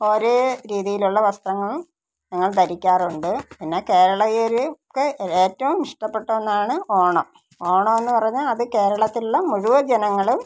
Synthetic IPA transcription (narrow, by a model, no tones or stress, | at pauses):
o̞ːɾeɾiːðijiluɭːɐʋɐst̪rɐŋːɐɭum | ɲɐŋːɐɭd̪ɐɾikʲːaːruɳɖɨpinːe̞ke̞ːɾɐɭɐjoɾukːɨeːtːɐʋumniʂʈɐpːe̞ʈːɐenːaːɳɨoːɳoː | oːɳoːe̞nːɨpɐrɐɲːaɐðɨke̞ːɾɐɭɐt̪ːiluɭːɐmuɻuʋɐd͡ʑɐnɐŋːɐɭum